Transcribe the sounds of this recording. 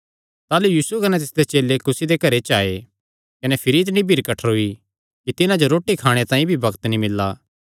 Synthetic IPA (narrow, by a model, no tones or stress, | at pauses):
t̪aːlujuːsukɐnɛt̪ɪsd̪et͡ʃeːlekʊsid̪ekɐɾet͡ʃaːe | kɐnɛpʰɪɾitnĩbʱiːɾkɐʈʰəɾɦʊi | kit̪ɪnãd͡ʒoɾoːʈːikʰaːɽ̃et̪ãːĩbʱibɐkt̪nĩmɪlːaː